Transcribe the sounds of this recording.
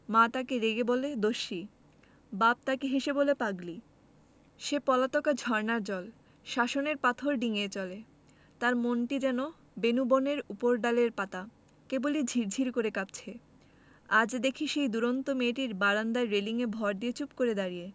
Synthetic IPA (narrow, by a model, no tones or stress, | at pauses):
mat̪akeɾeɡeboled̪oʃi | bab̚t̪akeɦeʃebolepaɡli | ʃepɔlat̪ɔkad͡ʑʱɔɾnaɾd͡ʑɔl | ʃaʃoneɾpat̪ʰoɾɖiŋet͡ɕɔle | t̪aɾmonʈid͡ʑɛno | benuboneɾupoɾɖaleɾpat̪a | kebolid͡ʑʱiɾd͡ʑʱiɾkoɾekap̚t͡ɕʰe | ad͡ʑd̪ekʰiʃejd̪uɾont̪omeʈiɾbaɾand̪aːeliŋebʱɔɾd̪iet͡ɕupkoɾed̪aɾije